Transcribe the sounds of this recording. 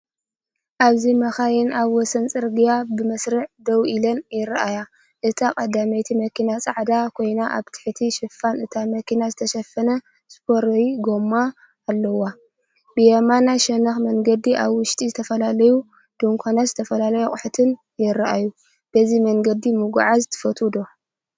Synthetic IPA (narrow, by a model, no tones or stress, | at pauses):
ʔaβzimɐxajɛnaβwɔsɐnt͡sʼɨɾɡijabɨmɐsɾɨʕd̪ɐwʔilɐnjɪɾʔaja | ʔɨt̪ʰakʼɐd̪amɐjt̪ʰimɐkʰinat͡sʼaʕd̪akʰo̞jnaʔa̰βt̪ʰɨ̥ħt̪ʰiʃɨfːanɨt̪ʰamɐkinazɨt̪ʰɐʃɐfɐnɐ | spʰoɾɐɡomaː | lːɐwa | b̥ɨjɐmanaʃɐnɐxmɐŋɡɐd̪iʔaβwʊʃt̪ʼizɨt̪ʰɐfɐlalɐju | d̪̥uŋkʷʰanazɨt̪ʰɐfɐlalɐjokʼʊħt̪ʰɨn | jɪɾaʔa̰ju | b̥ɐzimɐŋɡɐd̪imɨɡṵʕazt̪ʰɨ̥fɐt̪ʰʼud̪o̞